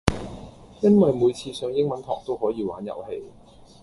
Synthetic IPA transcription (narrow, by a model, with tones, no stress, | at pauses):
jɐ˥nwɐ˨jmuː˨˧jt͡sʰiː˧sœː˨˧ŋjɪ˥ŋmɐ˨˥nt̪ʰɔː˨˩k̚t̪o˥whɔː˨˥jiː˧wa̰ː˨˥njɐ̰˨˩whe˧j